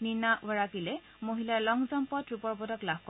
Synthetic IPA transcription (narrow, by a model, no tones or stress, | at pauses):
ninawɔɹakilɛ | moɦilalɔŋzɔmpɔtɹupɔɹbɔdɔklabʱkɔ